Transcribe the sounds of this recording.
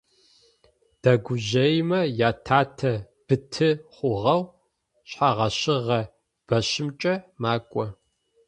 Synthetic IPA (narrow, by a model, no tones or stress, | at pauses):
d̥ɐɡʷʊʑɐjmɐjaːtʰaːtʰɐ | b̥ɨtʰɨχʷʊʁɐw | ɕħaʁɐɕɪʁɐ | b̥ɐɕɪmt͡ʃʼɐmaːkʷʼɔ